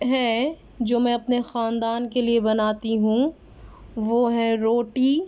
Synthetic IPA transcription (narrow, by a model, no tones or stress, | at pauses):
ɦɛ̃ | d͡ʒoːmɛ̃ːɐpnexaːnd̪aːnkeliebɐnaːt̪iɦũ | ʋoɦɛ̃ɾoːʈiː